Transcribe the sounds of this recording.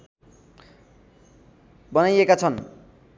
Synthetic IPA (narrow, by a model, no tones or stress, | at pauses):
bʌnajekat͡sʰʌn